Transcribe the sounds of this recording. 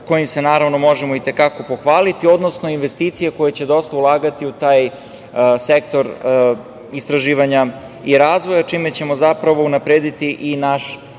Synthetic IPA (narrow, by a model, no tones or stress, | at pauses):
ko̞jimse̞naːɾaʋnomo̞ʒemoit̪e̞kako̞po̞xʋaːlit̪io̞d̪no̞sno̞inʋe̞st̪iːt̪sijeko̞jet͡ɕe̞d̪o̞st̪aulˠaːɡat̪iut̪aːj | sek̚t̪o̞ɾ | ist̪ɾaʒiːʋaɲa | iɾaːzʋo̞jat͡ʃime̞t͡ɕe̞mo̞zapɾaʋo̞unapɾeːd̪it̪iʔinaʃ